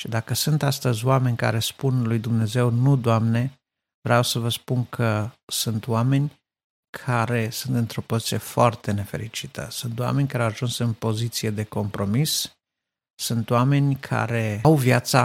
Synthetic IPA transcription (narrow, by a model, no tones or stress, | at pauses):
ʃid̪akəsɨnt̪ast̪əzʲoame̞nʲka̰ɾe̞spunlujd̪umne̞ze̞wnud̪oamne̞ | vɾeawsəvəspunkʰəsunt̪oame̞nʲ | kʰaɾe̞sɨnt̪ɨnt̪ɾo̞pozit̪sije̞foart̪e̞ne̞fe̞̰ɾit͡ʃit̪ʰə̰sɨnt̪oa̰me̞nʲkaɾeawaʒunsɨnpo̞zit̪sije̞d̪e̞ko̞mpɾo̞misː | ɨnt̪oame̞nʲkʰa̰ɾe̞wvjat̪sa